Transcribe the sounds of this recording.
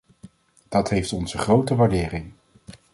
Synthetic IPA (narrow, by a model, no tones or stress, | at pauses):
d̥ɑtɦejftɔnzəχrowtəʋaːɹdɪːrɪŋ